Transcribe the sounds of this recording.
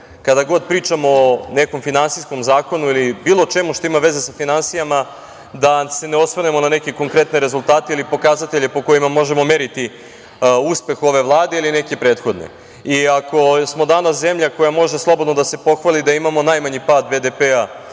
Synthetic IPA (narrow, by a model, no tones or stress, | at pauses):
kad̪aɡo̞d̪̚pɾiːt͡ʃamone̞ko̞mfinansisko̞mzaːko̞nuilibiːlˠo̞t͡ʃe̞muʃt̪o̞imaʋe̞ze̞safinansijama | d̪ase̞neo̞t̪sʋne̞mo̞nane̞keko̞ŋkɾe̞t̪neɾe̞zulˠt̪aːt̪eilipo̞kazat̪e̞ʎe̞po̞ko̞jimamo̞ʒe̞mo̞me̞ɾit̪i | uspe̞xo̞ʋe̞ʋlˠaːd̪e̞iline̞kepɾe̞ːt̪xo̞d̪nḛ | iako̞smo̞d̪anas̬ze̞mʎako̞jamo̞ʒeslˠo̞bod̪nod̪ase̞po̞xʋalid̪aimamo̞najmaɲipaːd̪bed̪e̞pea